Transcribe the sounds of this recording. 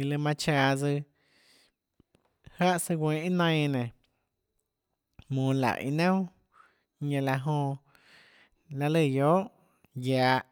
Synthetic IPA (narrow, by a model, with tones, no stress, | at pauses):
i˧lɨ˧mã˧t͡ʃaː˧˨d͡zɨ˧ | ha˦ʔsɨ˧ɡʷẽː˧i˦nã˧j̃nẽ˨ | mũː˧˨la̰˨ʔḭ˧nã˦ | ɲẽ˧la˧ɦõ˧ | la˧lə˦˧˨joː˦ʔ | jaː˧ʔ